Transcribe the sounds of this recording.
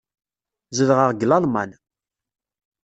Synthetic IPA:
zəlʁəʁɡlɑlmɑ̰n

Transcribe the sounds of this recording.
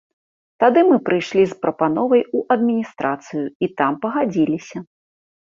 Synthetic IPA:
t̪ad̪ɨmɨpɾɨjʂlʲispɾɐpanɔvɐjuʔɐd̪mʲinʲist̪ɾat̪sɨjʊit̪ampɐɣad͡zʲilʲisʲɐ

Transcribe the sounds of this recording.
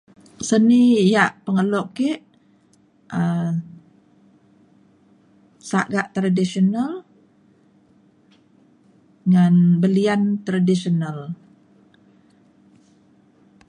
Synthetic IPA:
sənijaʔpəŋəlɔʔkeʔ | ə | saʔɡaʔt̪ɾadisional | ŋanbəliant̪ɾadisional

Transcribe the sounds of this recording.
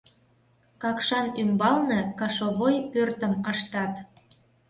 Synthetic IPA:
kɑkʃɑnymbɑlnɤ̆kɑʃoβojpørt̪əmɑʃt̪ɑt̪

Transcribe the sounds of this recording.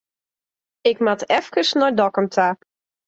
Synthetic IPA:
ɪkmatɛfkəsnɔjdɔkəmtʰa

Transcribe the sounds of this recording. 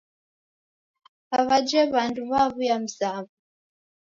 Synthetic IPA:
aβad͡ʒɛβanduβaβujam̩saβu

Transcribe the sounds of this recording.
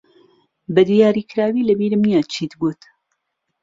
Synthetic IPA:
bɐd̪ijaːɾiːkʰɨɾaːwiːlɐbiːɾɨmijaːt͡ʃʰiːt̪ɡut̪

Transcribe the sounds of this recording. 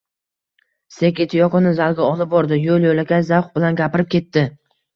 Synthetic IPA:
sekʲet̪ʰɪjɒqɨnɪzalˠɡʲaɒlˠɪp̚bɒɾd̪ɪjolˠjolakʲajzawχbɪlanɡʲapɪɾɪp̚kʲe̞t̪ːɪ

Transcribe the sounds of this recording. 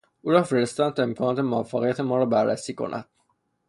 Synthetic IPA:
ʔuːɾɒːfeɾest̪ɑnt̪ʰemkʰɒːnɒːt̪ʰe̞moæfːæɣijæt̪ʰe̞mɒːɾɒːbæɾːæ̰siːkʰo̞̰nʔæ̰d̪̥

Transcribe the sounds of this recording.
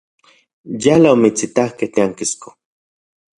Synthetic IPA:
jalaomit͡sit̪ahkeht̪eaŋkisko

